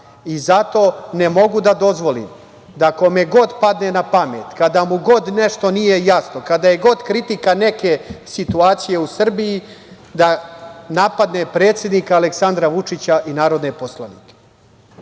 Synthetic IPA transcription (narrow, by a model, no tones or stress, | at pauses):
izat̪o̞ːnemo̞ɡud̪ad̪o̞zʋo̞lḭm | d̪ako̞me̞ɡo̞d̪pad̪ne̞napame̞ːt̪kad̪amuɡo̞d̪ne̞ʃt̪o̞nije̞jasno̞kad̪aje̞ɡo̞d̪kɾit̪ikane̞ke̞sit̪uaːt̪sije̞usr̩biji | d̪anapad̪ne̞pɾe̞ːt̪sʲje̞d̪nikaːleksand̪ɾaʋut͡ʂit͡ɕaʔinaːɾo̞d̪ne̞po̞slaniːke̥